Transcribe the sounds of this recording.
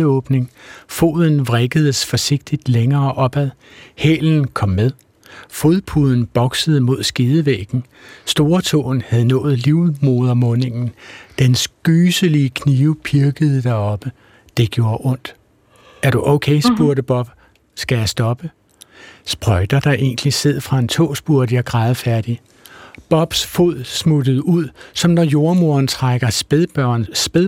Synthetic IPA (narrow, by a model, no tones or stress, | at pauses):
ɔ̽ːb̥ne̝ŋfo̝̰ːðˠn̩ʋʁeɡ̥əð̩ˠəsfɒ̽se̝ɡ̥̚d̥id̥leŋɐːʔɒ̽b̥æð̞ˠhḛːln̩kʰɒ̽mmeð̞ˠ | fo̝ðˠpʰuð̞̰ˠn̩b̥ɒ̽ɡ̥səð̞̩ˠəmo̝ð̞̰ˠsɡ̥iːð̞ˠəʋeɡ̥n̩ | sd̥o̝ːɐt͡sʰo̝̰ːn̩hæðˠnɔ̰̽ːð̞̩ˠliʊmo̝ːð̞ˠɐmɔ̽ne̝ŋn̩d̥ensɡ̥yːsəliəkʰniːʊpʰiɐɡ̥əð̞̩ˠd̥ɑɒ̽b̥ə | d̥e̝ɡ̥jo̝ːɐʔɔ̽n̰d̥ | æɐɾ̥uʔoʊ̰kʰeɪsb̥uɐɾəb̥ɒ̽b̥ | sɡ̥æjæsd̥ɒ̽b̥ə | sb̥ʁɒɪd̥ɐd̥ɑ̈ʔe̝n̰ɡ̥əlise̝ð̰ˠfʁɑ̈ent͡sʰo̰ːsb̥uɐd̥əjæɡ̥ʁɑ̈ːð̞̩ˠəfæɐd̥i | b̥ɒ̽b̥sfoð̰ˠsmud̥əð̩ˠuð̰ˠsɒ̽mnɒjo̝ɐmo̝ɐnt͡sʰʁaɡ̥ɐnb̥eðˠ